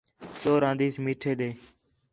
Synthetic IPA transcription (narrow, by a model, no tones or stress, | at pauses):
t͡ʃoːɾãːnd̪iːsmiːʈʰeːɗeː